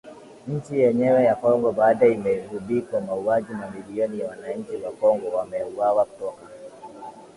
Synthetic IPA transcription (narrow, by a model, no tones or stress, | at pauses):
ɲ̩t͡ʃijɛɲɛwɛjakɔŋɡɔbaːɗaimɛivuɓikamauad͡ʒimamiliɔnijawanaɲ̩t͡ʃiwakɔŋɡɔwamɛuwawaku̥tɔka